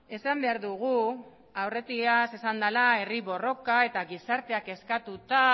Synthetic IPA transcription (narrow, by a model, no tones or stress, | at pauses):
e̞sambe̞aɾðuɣ̞u | awre̞t̪iase̞sand̪alae̞riβo̞ro̞kae̞t̪aɣisaɾt̪e̞ake̞skat̪ut̪a